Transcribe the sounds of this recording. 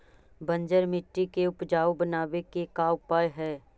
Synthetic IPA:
bə̃ɲd͡ʒəɾmɪʈːikeʊpd͡ʒaːwbənaːʋekekaːʊpaːjɦɛː

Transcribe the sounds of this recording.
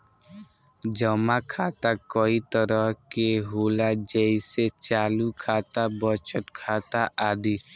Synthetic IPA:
d͡ʒəmakʰaːt̪akɔit̪əɾəɦkeɦoːlad͡ʒɛiset͡ʃaːlukʰaːt̪abət͡ʃəʈ̪kʰaːt̪aʔaːd̪iː

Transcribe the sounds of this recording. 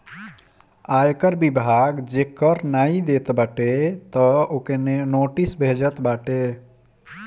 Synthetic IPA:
ajekəɾbibʱaɡd͡ʒekəɾnaid̪et̪baʈet̪əokenenoʈisbʱed͡ʒət̪baʈe

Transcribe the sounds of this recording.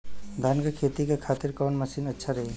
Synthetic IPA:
d̪ʱankakʰet̪ikakʰat̪iɾkənməsinətːʃʰaɾəɦe

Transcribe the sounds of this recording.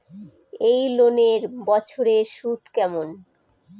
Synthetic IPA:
ejloneɾbɔt͡ɕʰoɾeʃut̪kɛmon

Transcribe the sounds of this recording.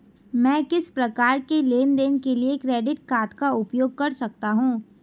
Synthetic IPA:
mɛ̃ːkɪspɾɐkaːɾkeleːnd̪eːnekeliekɾeːɖɪʈ̚kaːt̪ʰkaʊpjoːɡ̚kɐɾsɐk̚t̪aɦũː

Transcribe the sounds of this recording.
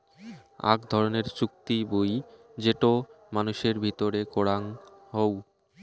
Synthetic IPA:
a̰ɡd̪ʱɔɾoneɾt͡ɕuk̚t̪iboj | d͡ʑeʈo | manuʃeɾbʱit̪oɾekoɽaŋɦow

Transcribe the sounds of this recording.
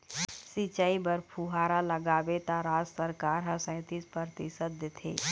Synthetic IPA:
sit͡ʃaːibəɾpʰuɦaːɾaləɡaːbet̪aɾaːd͡ʒsəɾkaːɾɦəsə̃ːt̪ispɾəɾt̪ɪsət̪̚d̪ɪt̪ʰḛː

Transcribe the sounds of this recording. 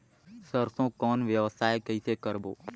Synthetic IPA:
səɾsõːkɔːnʋjəʋəsʰaːekəisekəɾbo̰ː

